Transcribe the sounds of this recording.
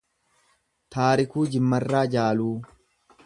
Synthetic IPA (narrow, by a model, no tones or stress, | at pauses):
t̪aːɾɪkuːd͡ʒɪmːɐrːaːd͡ʒaːluː